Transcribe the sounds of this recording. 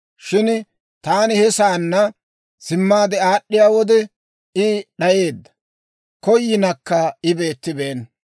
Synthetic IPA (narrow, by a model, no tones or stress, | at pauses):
ʃɪn | t̪aːnɪhɛsaːnːɐ | sɪmːaːd̪ɛaːɗːɪjaːwɔd̪ɛ | ɪɗɐje̞ːd̪ːɐ̥ | kɔjːɪnɐkːɐɪbe̞ːt̪ːɪbeːn